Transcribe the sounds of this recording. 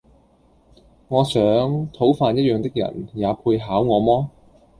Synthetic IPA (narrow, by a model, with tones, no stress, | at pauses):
ŋɔː˨˧sœː˨˥ŋt̪ʰo˨˥wfaː˧njɐ˥t̚jœː˨˧ŋt̪ɪ˥k̚jɐ̰˨˩njaː˨˧pʰuː˧jɦaː˨˥wŋɔː˨˧mɔː˥